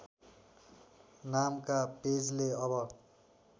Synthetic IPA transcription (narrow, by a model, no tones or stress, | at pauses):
namkaped͡zleʌbʌ